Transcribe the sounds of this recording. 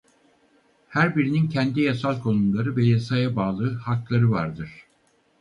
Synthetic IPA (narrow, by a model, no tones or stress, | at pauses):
hæɾbiɾinincʰɛnd̪ijasalˠkʰo̞nunlˠaɾɯvɛjasajabaːlˠɯːhaklˠaɾɯvaɾd̪ɯɾ̥